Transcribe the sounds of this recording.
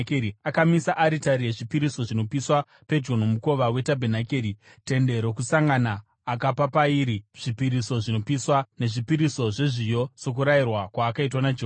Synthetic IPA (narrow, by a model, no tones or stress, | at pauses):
keiakamisaʔaɾitaɾije̞ʐipiɾiso̞ʐino̞piswa | pe̞d͡ʒo̞n̤omuko̞ʋawe̞tabʱenakeɾi | te̞nde̞ɾo̞kusaŋɡanaː | kapapaiɾiʐ̥ipiɾiso̞ʐino̞piswane̞ʐipiɾiso̞ʐeʐijo̞so̞k̬uɾajirwakwaːkaitwanad͡ʒoː